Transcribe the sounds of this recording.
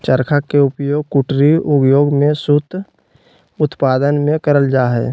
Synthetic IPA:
t͡ʃəɾkʰakeʊpjoːɡkʊʈɾiʊpjoːɡmẽsʊt̪ | ʊt̪paːd̪ənmẽkəɾəld͡ʒaːɦɛ̰ː

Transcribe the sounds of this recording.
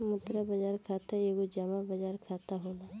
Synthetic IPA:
mʊt̪ɾabɐd͡ʒaːɾkʰaːt̪aeɡod͡ʒɐmabɐd͡ʒaːɾkʰaːt̪aɦoːla

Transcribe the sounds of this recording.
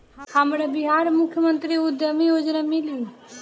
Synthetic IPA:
həmɾeːbɪɦaːɾmʊkʰjəmənt̪ɾiːʊd̪ʱəmiod͡ʒɾaːmɪli

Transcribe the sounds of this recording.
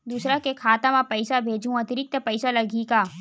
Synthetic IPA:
d̪uːsɾakekʰaːt̪ãmãpɐɪsabʱeːd͡ʒũɐt̪ɪɾɪk̚t̪əpɐɪsalɐɡʱiːkaː

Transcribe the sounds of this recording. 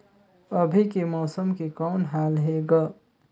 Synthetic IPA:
əbʱikemɔwsəmkekɔʊnɦalɦeɡə

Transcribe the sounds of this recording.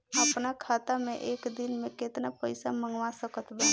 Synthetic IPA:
əpnakʰaːt̪amẽʔeːkd̪ɪnmẽkeːt̪napəɪsamə̃ŋɡʋasəkət̪ʰbɛː

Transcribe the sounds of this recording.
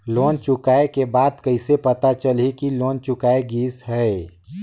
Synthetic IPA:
loːnt͡ʃʊkaːekebaːd̪kɐɪsepɐt̪at͡ʃəlekiloːnt͡ʃʊkaːeɡiːsɦɛ

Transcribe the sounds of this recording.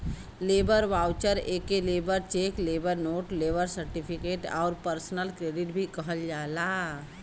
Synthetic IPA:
leːbəɾʋaːwt͡ʃəɾeːkeleːbəɾt͡ʃeːkleːbəɾnoːʈleːbəɾsəɾʈipʰɪkeːʈɔ̰ːɾpəɾsnəlkɾeːɖɪʈbʱikəɦəld͡ʒaːlaː

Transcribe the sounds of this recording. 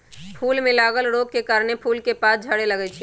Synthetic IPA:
pʰulmelaɡəlɾoɡ̚kekaɾnepʰulkepasd͡ʒʱəɽeləɡɛt͡ʃʰi

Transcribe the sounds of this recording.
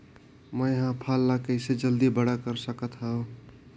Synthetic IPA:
məjɦãpʰalːakəɪsed͡ʒəld̪ibəɽakəɾsəkət̪ɦə̃

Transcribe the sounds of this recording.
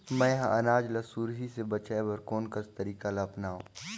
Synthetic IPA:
mɛ̃ːɦãʔɐnaːd͡ʒlasuːɾɦisebɐt͡ʃaːebɐɾkoːnkɐst̪ɐɾiːkalaːpnaːɦṵ̃ː

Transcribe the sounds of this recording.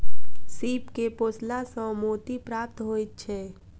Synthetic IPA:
siːpkepoːslasə̃moːt̪ipɾaːp̚t̪ɦoːit̪̚t͡ʃʰɛː

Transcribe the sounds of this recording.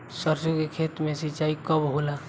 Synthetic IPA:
səɾsokekʰeːt̪mẽsit͡ʃaːikəbɦola

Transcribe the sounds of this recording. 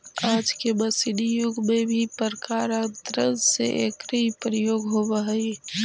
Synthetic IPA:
aːd͡ʒkebɐsɪd̪ijʊɡmẽbʱipəɾkaːɾə̃t̪ɾəsḛʔḛkɾəipɾəjoːɡɦoʋəɦɛi

